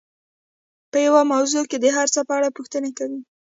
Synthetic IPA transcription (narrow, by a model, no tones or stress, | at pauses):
pəjawamawzoked̪əɦaɾt͡sapəaɽapuxt̪ənekawi